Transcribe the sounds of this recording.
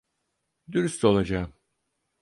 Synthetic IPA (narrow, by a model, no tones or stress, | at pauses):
d̪yɾyst̪ʰo̞lˠad͡ʒaːm